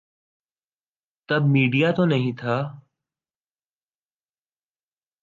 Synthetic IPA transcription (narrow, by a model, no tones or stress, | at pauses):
t̪əbmiːɖijat̪onəɦĩt̪ʰaː